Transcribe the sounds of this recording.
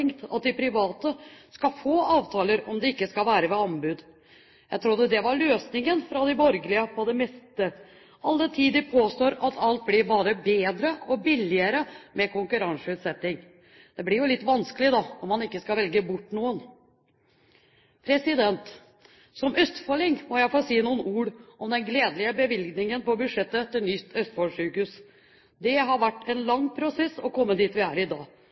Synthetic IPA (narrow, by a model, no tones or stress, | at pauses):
ŋkt̪ɑ̰t̪̚d̪ɪpʰɾɪʋɑːt̪əskɑfoːɑːʋt̪ʰɑːləɾɔmd̪ɛɪkːəskɑlʋæːɾəʋɛɑmbʉːd̪ | jæɪt̪ʰɾud̪əd̪ɛʋɑɾɭøːsnɪŋənfɾɑd̪ɪbɔɾɡəlɪəpʰɔd̪ɛmɛst̪ə | ʔɑlːət̪ʰiːd̪əpʰoːst̪oːɾɑt̪ʰɑlt̪̚blɪɾbɑːɾəbeːd̪ɾəɔbɪlːɪəɾəmɛkʊŋkʉɾɑnsʉːt̪sɛt̪ːɪŋ | d̪̥ɛblɪɾjʊlɪt̪ːʋɑnskəlɪd̪ɑɔmɑnɪkːəskɑlʋɛlɡəbʊʈːnuːən | pʰɾɛsɪd̪ɛnt̪ | sɔmœst̪fɔlɪŋmɔjæɪfoːɾsiːnuːənuːɾɔmd̪ɛnɡleːd̪lɪəbəʋɪlɡnɪŋənpɔbʉʂɛt̪ːət̪ɪlnʏt̪ʰœst̪fɔlʂʉːkʉs | d̪ɛɦɑɾʋæʈːɛnlɑŋːpʰɾʊsɛsːɔkʰɔmːəd̪iːt̪ʋɪæːɾɪd̪ɑ̰ː